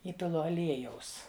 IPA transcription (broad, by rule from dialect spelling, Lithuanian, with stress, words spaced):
ˈiːpʲɪlˠʊ ɐˈlʲiɛjɛʊs